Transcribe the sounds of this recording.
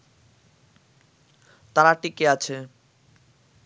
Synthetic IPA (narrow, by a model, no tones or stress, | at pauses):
t̪aɾaʈikeat͡ɕʰe